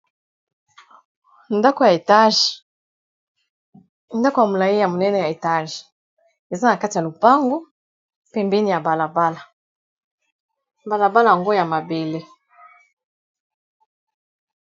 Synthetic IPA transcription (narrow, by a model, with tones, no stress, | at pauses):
nda˦kɔ˨ja˨ta˦ʒ | nda˦kɔ˦ja˨mu˨la˨ji˦ja˨mu˨nɛ˦nɛ˨ja˨e˨ta˦ʒi̥˨ | e˨za˦na˨ka˦ti˨a˨lu˨pa˦ŋɡɔ˦ | pɛ˨mbe˦ni˦ja˨ba˨la˨ba˦la˨ | ba˨la˨ba˦la˨ŋɡɔ˦ja˨ma˨be˨le˦